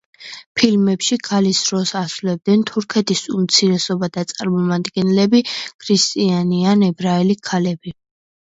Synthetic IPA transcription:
pʰilmɛpʃikʰalisɾɔsasulɛb̚d̪ɛnt̪ʰuɾkʰɛt̪ʰisumt̪sʰiɾɛsɔbad̪̥at̪sʼaɾmɔmad̪ɡɛnlɛbikʰɾist̪ʼianianɛbɾaɛlikʰalɛbi

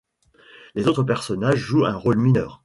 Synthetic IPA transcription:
lezot̪χəp̬ɛʁsɔnaʒːuɛ̃ʁolminœːʁ

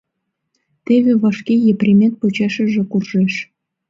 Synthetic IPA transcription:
t̪eβeβɑʃkejeprʲimʲent̪̚pot͡ɕɑʃə̆ʒĕkurʒeʃ

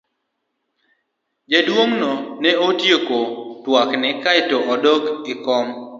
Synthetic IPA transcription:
d͡ʒedwoŋnɔnɛotjekotwaknɛkaɪtoɔdɔkɪkɔm

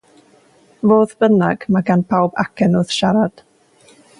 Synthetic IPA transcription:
voːðb̥ənaɡ̥maɡanpʰawba̰kʰɛnʊðʃaɾad̥

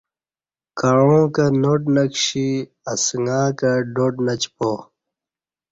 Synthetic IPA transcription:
kɐɻõːkɐnoʈnɐkɕi | ɐsŋɡaːkɐɖoːʈnɐt͡ɕpo

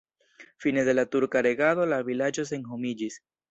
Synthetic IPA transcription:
fine̞d̪e̞latuɾkaɾe̞ɡalo̞lavilad͡ʒo̞s̬enɦomid͡ʒis

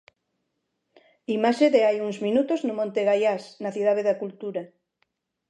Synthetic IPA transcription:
imaʃeðeajuŋzminut̪oznʊmõnt̪eɣajasnaθiðað̞eðakult̪uɾa

